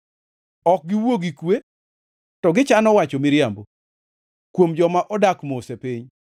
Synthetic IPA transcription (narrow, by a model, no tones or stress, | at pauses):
ɔk̚ɡɪwoɡikwe | tɔɡɪt͡ʃanɔwat͡ʃɔmɪɾjambo | kwomd͡ʒɔmaʔɔdakmosepɪɲ